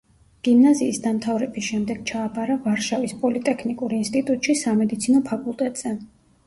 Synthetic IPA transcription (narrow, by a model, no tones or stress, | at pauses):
ɡ̥imnaziːsd̪amt̪ʰavɾɛbisʃɛmd̪ɛɡ̥̚t͡ʃʰaːbaɾavaɾʃavispʼɔlit̪ʼɛkʰnikʼuɾinst̪ʼit̪ʼut̪ʼʃisamɛd̪it̪sʰinɔpʰakʼulˠt̪ʼɛt̪ʼz̥ɛ